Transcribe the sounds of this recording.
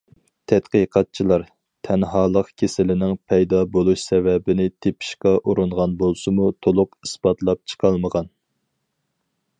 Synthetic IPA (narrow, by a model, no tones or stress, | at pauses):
t̪ʰɛt̪qəqʰɑt̪̚t͡ʃʰilˠɑɾ | t̪ʰɛnɦɑːlˠəqkʲʰesɪlɪnɪŋpʰɛjd̪ɑbolˠuʃsɛvɛbɪnɪt̪ʰepʰi̥ʃqɑʔuɾuɴʁɑnbolˠsɨmut̪ʰolˠʊqisbɑt̪lˠɑp̚t͡ʃʰə̥qʰɑlˠməʁɑn